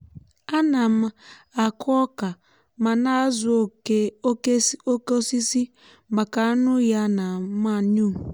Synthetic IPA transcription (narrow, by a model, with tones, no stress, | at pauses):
a˦na˨m̩a˨a˨kʰɔ˦ka˨ | ma˨na˦zʊ˦ | o˦ko˦si˦si˦ | ma˨ka˨a˦nʊ˦ja˦na˨ma˦˨ɲu˦